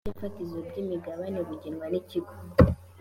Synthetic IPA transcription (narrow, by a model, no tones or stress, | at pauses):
efatizobɟimiɡaβaneβuɟinŋwaniciɡo